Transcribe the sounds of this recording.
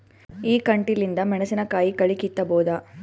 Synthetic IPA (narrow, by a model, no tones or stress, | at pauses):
iːkɐɳʈilind̪ɐmɛɳɐsinɐkaːjikɐɭikit̪ːɐboːd̪ɐ